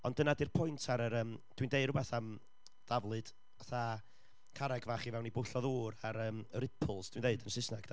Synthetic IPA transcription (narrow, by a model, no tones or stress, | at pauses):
ɔndənadirpʰʊjntʰaɾəɾəːmd̥windeɨdɾʊbɛθam | d̥avlˠɨd̥ | aθa | kʰaɾɛɡvaːχivɛwnibʊɬɔðuːɾaɾəːməɾɪpʰlˠsd̥windeɨdənsɪsnaɡd